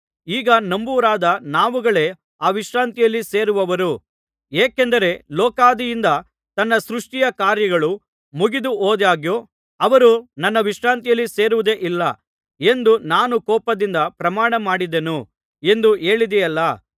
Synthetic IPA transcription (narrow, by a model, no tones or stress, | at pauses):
iːɡɐnɐmbuʋɾaːd̪ɐnaːʋuɡɐɭe̞ | aːʋiʂɾaːnt̪ijɐlːise̞ːɾuʋɐʋɐɾu | eːkend̪ɐɾe̞lɔːkaːd̪ijind̪ɐ | t̪ɐnːɐsɾuʂʈijɐkaːɾjɐɡɐɭu | muɡid̪uʔoːd̪jaːɡjoː | ɐʋɐɾunɐnːɐʋiʂɾaːnt̪ijɐlːise̞ːɾuʋud̪e̞ʔilːɐ | e̞nd̪unaːnukɔːpɐd̪ind̪ɐpɾɐmaːɳɐmaːɽid̪enu | e̞nd̪ue̞ːɭid̪ɛjɐlːɐ